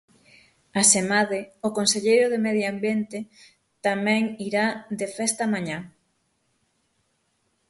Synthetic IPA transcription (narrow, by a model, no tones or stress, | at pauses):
asemaðɪʊkonseʎejɾʊðemɛðjoambjent̪ɪ | t̪amɛ̃ŋiɾad̪efɛst̪amaɲa